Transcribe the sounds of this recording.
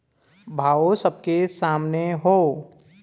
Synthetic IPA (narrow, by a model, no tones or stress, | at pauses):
bʱaːosəb̚kesaːmneɦoː